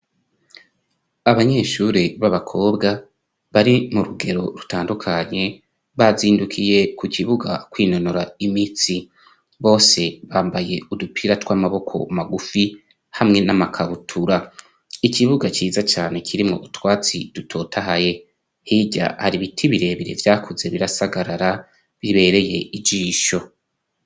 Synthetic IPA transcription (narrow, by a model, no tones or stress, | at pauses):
aβaɲe̞ːʃuːɾiβaβakʰo̞bɡa | βaɾimuɾuɡe̞ɾo̞̰ɾutaːndukʰaɲe̞ | βaziːndukʰije̞kuciβuɡa̰kwiːno̞noɾaimiːt͡si | βo̞ːse̞βaːmbaje̞udupʰiːɾatwamaβo̞kʰo̞̰maɡufi | hamŋe̞namakʰaβutʰuɾa | icʰiβuɡaciːzat͡ʃaːne̞kʰiɾimŋo̞̰ʔutwaːt͡sḭd̥utʰo̞ːtʰaɦaje̞ | hiːɟa̰haɾiβitʰiβiɾe̞βiɾe̞̰vjaːkʰuze̞βiɾasaɡaɾaɾa | βiβe̞ɾe̞je̞ʔid͡ʒiːʃo̞